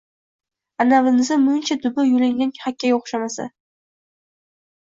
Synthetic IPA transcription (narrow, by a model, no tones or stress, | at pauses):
anavɪnɪzɪmʊɪnt͡ʃʰad̪ʊbɪjʊlɪŋnɪnhakʲʰːajʲaoχʃamasa̰